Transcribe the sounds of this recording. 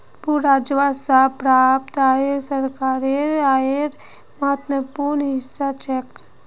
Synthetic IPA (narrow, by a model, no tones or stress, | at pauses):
puɾɾad͡ʒʋasapɾapt̪aeɾsəɾkaːɾeɾaeɾ | maət̪əpuɾnɦɪsːat͡ʃek